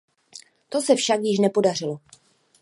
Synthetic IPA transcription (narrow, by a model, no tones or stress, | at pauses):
t̪o̞sɛfʃakjɪʃ̬nɛpo̞darɪlo̞